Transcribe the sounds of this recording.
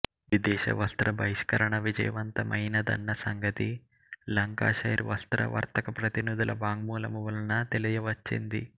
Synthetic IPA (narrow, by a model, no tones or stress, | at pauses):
ʋid̪ɛːʃɐ̰ʋɐst̪ɾɐbʱɐɦiʂkɐɾɐɳɐʋid͡ʒɐ̰jɐʋɐnt̪ɐmʔɐɦjnɐd̪ɐ̰nːɐsɐŋɡɐt̪i | lɐŋka̰ːʃɐjɾʋɐst̪ɾɐ̰ʋɐ̰ɾt̪ɐkɐpɾɐt̪inud̪ulʔɐbaːŋmuːlɐmuʋulɐnɐt̪elɐjɐʋɐt͡ʃːḭnd̪ḭ